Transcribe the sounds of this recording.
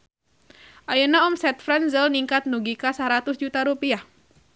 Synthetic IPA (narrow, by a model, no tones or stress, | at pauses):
ʔajənaɔmsɛt̪fɾɛnzəlniŋkat̪̚nuɡikasaɾat̪ʊsd͡ʒut̪aɾupiah